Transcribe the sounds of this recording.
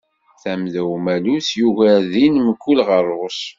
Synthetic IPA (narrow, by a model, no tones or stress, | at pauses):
θæmðæwmæluθjuɣæðinmkːulʁəɾˤʊs